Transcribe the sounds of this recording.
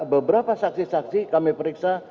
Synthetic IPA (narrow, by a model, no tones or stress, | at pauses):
bəbəɾapasak̚sisaksikamipəɾiksa